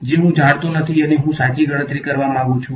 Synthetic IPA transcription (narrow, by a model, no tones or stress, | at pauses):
d͡ʒeɦũd͡ʒʱaɽt̪onət̪ʰiəneɦũsat͡ʃiɡəɽ̃ə̃t̪ɾikəɾʋamãaɡũt͡ʃʰũ